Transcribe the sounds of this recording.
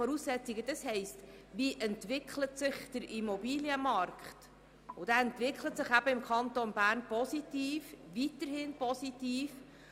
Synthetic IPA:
ɔɾuːsːɛt͡siɡəd̥ɑshɛɪst | ʋiʔɛntʋɪkʰlət̪sɪχd̥əɾʔimɔbiːljəmɑɾkχt | ʊd̥̪æːɛnt̪vɪkχlət̪sɪχæb̥əɪmkʰχɑnt̪onbæːɾnpɔsit̪iːfʋit̪əɾhɪnpɔsitiːf

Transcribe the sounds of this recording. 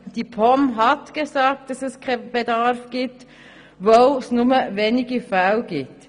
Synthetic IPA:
d̥ipʰɔmɦɑtɡ̥ezɑːk̚t̚d̥ɑsɛskʰab̥edɑɾfɡ̥iːp̚t | vosnʊməveːnɪɡəfawlɡiːt

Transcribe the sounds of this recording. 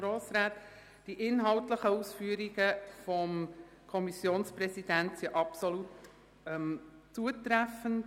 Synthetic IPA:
ɾoːsɾaːt̪ | d̥iʔɪnɦɑwtləχəusfyəɾiɡəfɔm | kʰɔmisjoːnspɾɛsid̥æntsiʔɑpsɔlut | mt͡suət̪ɾæfənt

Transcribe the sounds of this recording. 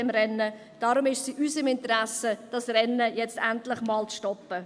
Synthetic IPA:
ɛmɾɛnːə | d̥ɑːɾʊmɪʃsiʔysəmɪntəɾæsəd̥ɑsɾɛnːəjɛt͡stæntlɪχmɑːlt͡sʃtɔpːə

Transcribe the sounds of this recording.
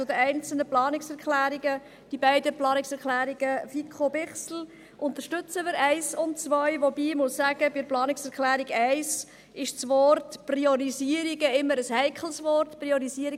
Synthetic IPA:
t͡sʊd̪əæɪnt͡sl̩nəplɑːnɪksɛɾkχlæːɾiɡə | d̥ibæɪdəplɑːnɪksɛɾklæːɾiɡəfikʰχobɪχsl̩ | ʔʊnt̪əʃtʏt͡səmɪɾæɪsʊnt̚t͡sʋœʏʋobiːmussæɡ̥əbɪdəɾplɑːnɪksɛɾklæːɾiɡæɪs | ɪʃt͡sʋɔɾtpriɔɾiziəɾiɡəɪmːəɾəshæɪkχl̩ˠsʋɔɾtpriɔɾisiəɾi

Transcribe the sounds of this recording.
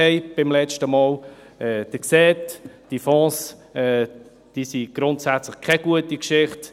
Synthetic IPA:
ɛɪb̥ɪmlɛt͡ʃtəmɑːl | ɛːd̥əksɛːtd̥ifɔ̃ːsɛː | d̥isiɡ̥ɾʊntsæt͡sləχkʰɛɡ̥uətikʃɪχt

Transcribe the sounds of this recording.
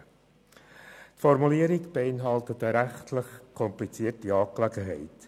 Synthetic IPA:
tfɔɾmuliːəɾikb̥eɪnɦɑltətəɾæχtʰləχkʰɔmplit͡siətiɑːklæɡəɦɛɪt

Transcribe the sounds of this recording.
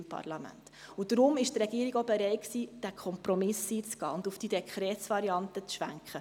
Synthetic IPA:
mpʰɑ̰rlɑmæ̰ntud̥ɾʊmɪʃt̪reɡ̥iəɾɪɡoʊbeɾɛɪksiːd̥ækʰχɔmpɾɔmɪsiːt͡sɡ̥ɑ̰ːʊndufd̥id̥ɛkʰχɾɛːtsvɑɾiɑntət͡sʃʋæŋkχə

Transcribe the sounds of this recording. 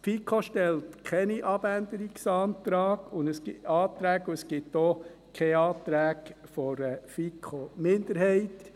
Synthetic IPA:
fikʰoʃtɛltkʰɛniʔɑb̥ænd̪əɾiksɑːnt̪ɾɑːɡ̥ʊndəskɪɑːt̪ɾæːɡuɛsɡ̥ɪtːɔ | kʰɛɑːt̪ɾæːkfɔɾəfikʰomɪnd̪əɾhɛɪt

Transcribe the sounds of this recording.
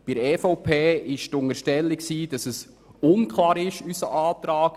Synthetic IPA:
b̥ɪɾɛfɔʊpʰeːɪʃtʊŋəɾʃtɛlːiksiːd̥ɑsəs | ʊnkʰlɑːɾɪʃysəʔaːt̪ɾaːk

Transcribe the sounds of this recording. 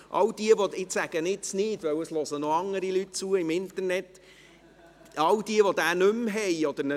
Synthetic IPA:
ʔɑ̰wd̥̪iəʋoɪsæɡ̥ənɪt͡snɪːdʋœwəslɔsənoɑŋːəɾilyt̚t͡suːəɪmɪnt̪əɾnɛt | ɑwd̥iəʋod̥̪æːnɵmɦɛjɔd̥̪əɾnə

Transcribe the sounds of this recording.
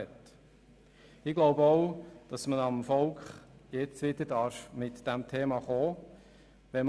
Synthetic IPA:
ɛt | ɪɡ̥lɔwbəɔʊd̥ɑsməɑmfɔlkχjɛt͡sʋɪdədɑɾfmɪtd̥æmt̪ʰeːmɑχoː | ʋɛm

